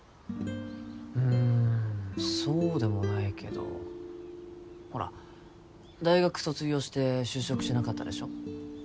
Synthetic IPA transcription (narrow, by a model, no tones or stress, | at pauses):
ɯ̟̃ | so̞ːd̪e̞mo̞naikʰe̞̰d̪o̞̰ | ho̞ɾa̰ | d̪aiɡakɯ̟̥so̞t͡sɨɡʲo̞ːɕi̥t̪e̞ɕɨːɕo̞kɯ̟ɕt̪enakat̪ːa̰d̪e̞̰ɕo̞